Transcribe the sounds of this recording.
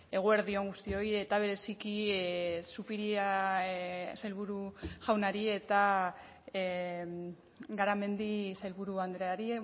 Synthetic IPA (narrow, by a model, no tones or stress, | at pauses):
e̞ɣ̞ue̞ɾðio̞ŋɡust̪io̞je̞t̪aβ̞e̞ɾe̞siki | supiɾia | sajlβuɾuʝawnaɾie̞t̪a | ɡaɾame̞nd̪isajlβuɾuand̪ɾeaɾi